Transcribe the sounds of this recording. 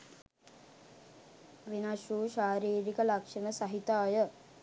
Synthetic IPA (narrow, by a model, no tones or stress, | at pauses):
ʋinaʃuːʃaːɾiːɾikəlakʂəməsaɦit̪aːjə